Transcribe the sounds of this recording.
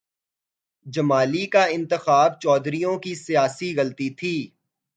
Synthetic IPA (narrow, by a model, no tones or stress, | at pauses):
d͡ʒɐmaːlikaɪ̃nt̪əxaːb̚t͡ʃɔːd̪ɾijõkisijaːsiɣɐlt̪it̪ʰiː